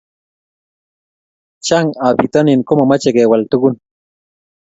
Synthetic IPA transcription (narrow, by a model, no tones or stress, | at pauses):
t͡ʃaŋabit̪aninkomomat͡ʃeɡewalt̪uɡʊn